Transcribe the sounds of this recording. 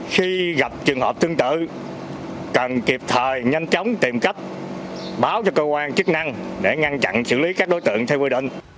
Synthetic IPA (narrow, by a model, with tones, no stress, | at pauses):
xi˧ɣa˨˩p̚t͡ɕɨ˨˩əŋɦəː˨˩p̚t̪ʰɨ˧əŋt̪ɨ̰˧˨ | kə˨˩nki˨˩əp̚t̪ʰəː˨˩jɲa˧jnt͡ɕə˨˦wŋ͡mt̪i˨˩mka˦˥k̟̚ | ɓaː˨˦wt͡ɕɔ˧kəː˧kwaː˧nt͡ɕɨ˦˥k̚na˧ŋ | ɗe˧˩ŋa˧nt͡ɕa̰˧˨nsɨ̰˧˨li˨˦kaː˦˥k̚ɗo˨˦jt̪ɨ̰˧˨əŋt̪ʰɛ˧wkwi˧ɗḭ̈˧˨ŋ̟